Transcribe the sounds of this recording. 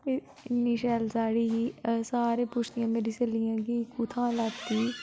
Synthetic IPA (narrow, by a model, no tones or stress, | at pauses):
niːʃɛːlsaːɽiːɦisaːɾeːpuːt͡ʃʰt̪ijãːmeːɾiselijãːɡiːkuːt̪ʰãːlaːt̪ːiː